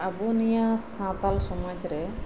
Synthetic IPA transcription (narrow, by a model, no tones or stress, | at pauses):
abunijasãt̪alsɔmad͡ʒɾɛ